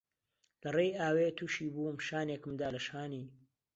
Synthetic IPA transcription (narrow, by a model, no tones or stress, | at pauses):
lɐrejaːweːt̪ʰuʃiːbuːmʃaːnekɨmd̪aːlɐʃaːniː